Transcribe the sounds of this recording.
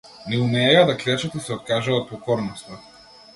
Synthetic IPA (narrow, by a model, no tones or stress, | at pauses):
nɛumɛɛjad̪aklɛt͡ʃat̪isɛɔt̪̚kaʒaɔt̪̚pɔkɔɾnɔst̪a